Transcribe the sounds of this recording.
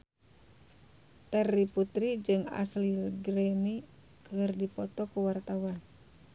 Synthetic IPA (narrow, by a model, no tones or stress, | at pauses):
t̪ɛriput̪ɾid͡ʒɨŋa̰slilɡɾɛni | kɨrdipɔt̪ɔkuwart̪awan